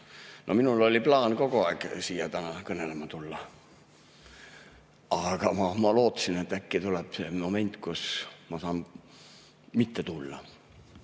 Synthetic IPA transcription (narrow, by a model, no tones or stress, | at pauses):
nʔo̞minulo̞lʲiplɑːnko̞ɡ̥oɑːksiːjɑt̪ænɑkɤnelemɑt̪ulːɑ | ɑɡ̥ɑmɑmɑlo̞ːt̪ːˑsinet̪ːˑækːit̪ulɛb̥semo̞me̞nʲt̪ˑkusmɑsɑːn | mit̪ːet̪ulːɑ̰